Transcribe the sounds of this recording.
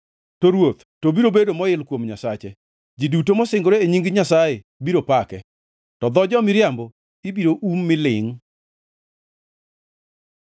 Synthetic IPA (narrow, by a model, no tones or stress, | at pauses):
toɾwot̪ | tobiɾobedomɔɪlkwomɲasat͡ʃe | d͡ʒidutomɔsɪŋɡoɾeeɲiŋɡɲasaje | biɾopakɛ | tɔd̪ɔd͡ʒɔmɪɾjambɔ | ibiɾoʔumːɪlɪŋ